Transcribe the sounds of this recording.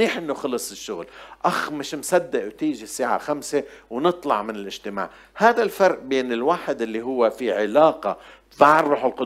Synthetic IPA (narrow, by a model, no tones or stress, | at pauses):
iːħʔɪnːuxɑlːɑsˤɪʃːʊɣlʔaxmɪʃmsad̪ːɪʔwt̪iːʒisːaːʕa̰xamsewnɨt̪ˤlɑʕmɪnɪlʔɪʒt̪ɪma̰ːʕ | haːðalfɑɾˤʔbeːnɪlwaːħɪd̪ʔɪlːiɦʊwːefiʕɪlaːqɑ | faʕrˤːuːħɪlqʊ